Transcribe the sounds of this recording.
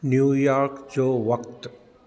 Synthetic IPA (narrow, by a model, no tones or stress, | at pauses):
njuːjaːɾkd͡ʒoːʋɐkt̪